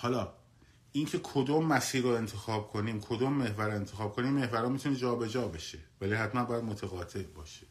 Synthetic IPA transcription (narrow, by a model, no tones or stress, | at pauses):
hɒːlɒː | ʔincʰe̞kʰod̪oːmːæsiːɾoe̞nt̪ʰe̞xɒːb̚kʰo̞niːmkʰod̪oːmːe̞hvæɾoe̞nt̪ʰe̞xɒːb̚kʰo̞niːmːehvæɾɒːmit̪ʰune̞d͡ʒɒːbe̞d͡ʒɒːbeʃe̞vælihæt̪mænbɒːjæd̪̚mot̪ʰæɣɒːt̪ʰe̞ʔbɒːʃe